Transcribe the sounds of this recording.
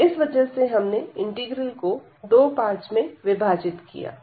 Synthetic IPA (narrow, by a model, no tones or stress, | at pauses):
ɪsʋɐd͡ʒəɦseɦɐmneɪ̃ɳʈiːɡɾəlko | d̪oːpaːɾʈt͡ʃmẽʋɪbʱaːd͡ʒɪt̪kḭja̰ː